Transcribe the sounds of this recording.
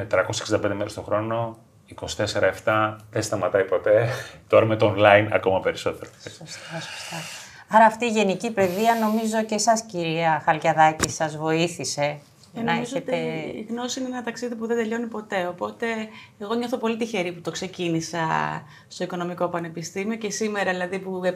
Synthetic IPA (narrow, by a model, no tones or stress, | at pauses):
met̪ɾɐko̞sseksind̪ɐpend̪emeɾest̪o̞xɾo̞no̞ | iko̞si̥t̪e̞se̞ɾɐe̞ft̪ɐðest̪ɐmɐt̪ɐjpo̞t̪e̞t̪o̞ɾɐmet̪oːnlɐinɐ̰ko̞mɐpe̞ɾiso̞t̪e̞ɾossst̪ɐ | ɐɾɐːft̪iːʝe̞nicipe̞ðiɐno̞mizoocesɐsciɾiɐxɐlʝɐðɐcisɐzvo̞iθise̞ | enɐeizzet̪eḭɣno̞siineenɐt̪ɐksiðipuðe̞nd̪eʎo̞nipo̞t̪e̞opo̞t̪e̞ːɣo̞ɲoθo̞po̞lit̪içe̞ɾiput̪o̞kse̞cinisɐ̰ | st̪o̞iko̞no̞miko̞pɐne̞pist̪imio̞ce̞sime̞ɾɐðilɐðipu